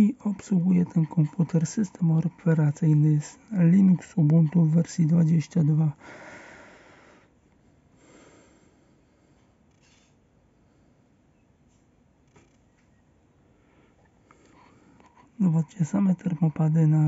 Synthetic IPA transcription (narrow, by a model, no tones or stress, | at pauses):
iɔpsuɡujɛt̪ʰɛnkʰɔmput̪ʰɛɾsɘst̪ɛmɔpɛɾat̪sɘjnɘslʲinuksubunt̪uvːɛɾsʲjid̪vad͡ʑeɕt͡ɕad̪va | nɔvɔd̪̚t͡ɕɛsamɛt̪ɛɾmɔpad̪ɘna